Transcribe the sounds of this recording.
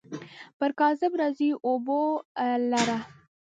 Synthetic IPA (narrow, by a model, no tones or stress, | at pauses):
pəɾkɑzəbɾaziʔobolaɾa